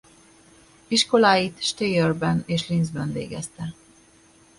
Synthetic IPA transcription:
iʃko̞laːjit̪ʃt̪eːørbɛneːʃlinzbɛnvḛːɡɛ̰st̪ɛ

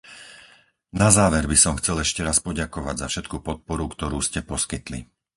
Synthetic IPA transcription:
nazaːʋɛɾbisɔmxt͡sɛlɛʃcɛɾaspɔɟakɔʋaɟzafʃɛt̪kupɔt̪̚pɔɾukt̪ɔɾuːscɛpɔskit̪lḭ

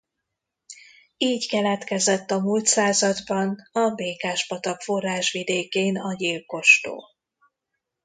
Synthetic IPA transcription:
iːckɛlɛt̪kɛzɛt̪ːɒmult̪saːzɒd̪bɒnɒbeːkaːʒbɒt̪ɒkfo̞rːaːʃʋid̪eːkeːnɒɟilko̞ʃt̪o̰ː

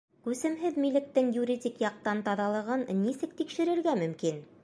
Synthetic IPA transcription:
kʉsɘ̆mɦɘðmilɘ̆k̚t̪ɘŋjuɾʲidʲikjɑq̚t̪ɑnt̪ɑðɑlˠɤ̆ʁɤnːisɘk̚t̪ikʃɘ̆ɾɘ̆ɾɡæmɵ̆mkin

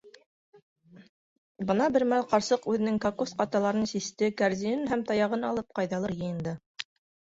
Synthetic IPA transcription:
bɤ̆nɑbɘ̆ɾmælˠqɑɾsɤqʉðɘ̆nɘŋkakusqɑt̪ɑlˠɑɾɤnsist̪ɘkæɾzijɘnɦæmt̪ɑjɑʁɤnɑlˠɤp̚qɑjðɑlˠɤɾjɤ̆jɤ̆nd̪ɤ

